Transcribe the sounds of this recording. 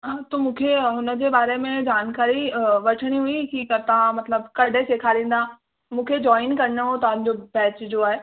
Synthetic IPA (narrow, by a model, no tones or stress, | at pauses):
ɦãːt̪omũːkʰeɦʊnə̆d͡ʑeːbaːɾemẽd͡ʑaːnkaːɾiʋɐʈʰəɽ̃iɦuikikt̪ɐʋ̤ãmɐt̪ləbkɐɖʱeseːkʰaɾẽːn̆d̪a | mũːkʰed͡ʑɔːɪnkɐɾɪnəɦot̪ɐʋãɲd͡ʑobɛːt͡ɕd͡ʑoaːɦeː